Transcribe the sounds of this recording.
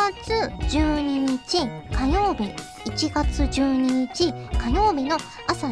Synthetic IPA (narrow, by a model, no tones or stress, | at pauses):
at͡sɨd͡ʑɨːɲ̟iɲ̟it͡ɕikajo̞ːbʲi | it͡ɕiɡat͡sɨʑɨːɲ̟iɲ̟it͡ɕikajo̞ːbʲino̞ | asa